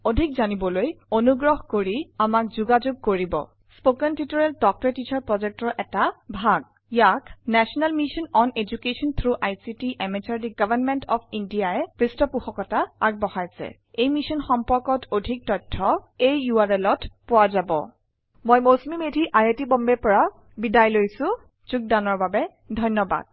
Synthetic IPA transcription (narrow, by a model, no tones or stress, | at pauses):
odʱikzanibɔlojonuɡɹɔɦkoɹiamak̚zuɡazoɡ̚koɹibɔ̰ | spokantitɔɹɛltɔk̚tɔɹetit͡ʃʰaɹpɹɔzɛk̚tɔʔɛtabʱaɡ | jaknɛsɔnalmisɔnɔned͡ʒukesɔnt̪ʰɹuʔajsitiʔɛmit͡ʃaɹdiɡ̥avanmɛntɔpʰindijaɛpɹistɔpuxɔkɔtaːk̚bɔhajsɛ̰ | ejmisɔnxɔmpɔɹkɔtʰodʱik̚tɔjtʰːɔejuaɹɛlɔtpʊazabɔ̰ | mojmosmimedʱiʔajetibɔmbɛpɔɹa | bidajlojsʊ̃ | t͡ʃuk̚danɔɹbabɛ | dʱɔjnːɔba̰d̥̚